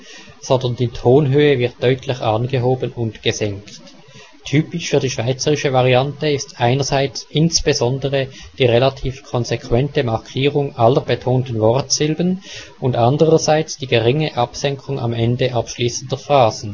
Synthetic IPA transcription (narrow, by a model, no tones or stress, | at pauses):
z̥ɔndɐndiːtʰoːnɦøːəvɪʁt̚d̥œʏtʰlɪçʔaːnɡəɦoːbənʊntɡ̥əzɛŋkt | tʰyːpɪʃfyːɐdiːʃv̥aɪt͡səʁɪʃəvaʁiantəɪstʔaɪnəzaɪt͡sʔɪnsb̥ezɔndəʁəd̥iːʁelatʰiːfkʰɔnzekʰv̥ɛntəmaʁkʰiːʁʊŋʔaləʁbətʰoːntn̩vɔʁtz̥ɪlbən | ʊndʔandəʁəzaɪt͡sd̥iːɡəʁɪŋəʔapsɛŋkʰʊŋʔa̰mɛndəʔapʃliːsən̩dəfʁaːz̥n̩